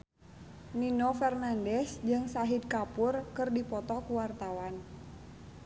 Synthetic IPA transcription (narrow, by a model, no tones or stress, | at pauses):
ninɔfɛrnandɛsd͡ʒɨŋsaɦid̪̚kapurkɨrdipɔt̪ɔkuwart̪awan